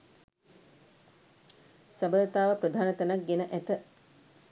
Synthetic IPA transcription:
səbət̪aːʋəpɾəd̪ʱaːnət̪ənak̚ɡenəʔæt̪ə

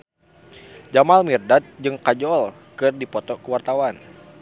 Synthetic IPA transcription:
d͡ʒamalmirdat̪̚d͡ʒɨŋkad͡ʒɔl | kɨrdipɔt̪ɔkəwart̪awan

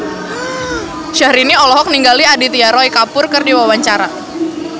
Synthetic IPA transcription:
ʃahɾiniɔlɔɦɔk̚niŋɡaliadit̪iaɾɔjkapʊrkɨrdiwawaɲt͡ʃaɾa

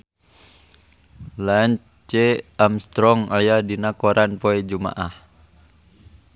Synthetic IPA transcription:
laɲ | t͡ʃɛamst̪ɾɔŋajadinakɔɾʔanpoɛd͡ʒuma̰ʔah

